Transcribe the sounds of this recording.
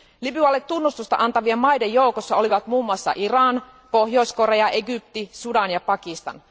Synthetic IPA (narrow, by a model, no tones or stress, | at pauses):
libyɑlːet̪ːunːust̪ust̪ɑ̰ʔɑnt̪ɑʋiemɑjdejjoukosːɑo̞liʋɑt̪muːmːuɑsːɑ̰ʔirɑːn | po̞hjo̞jsko̞reɑʔeɡyp̚t̪isudɑnjɑpɑkist̪ɑ̰n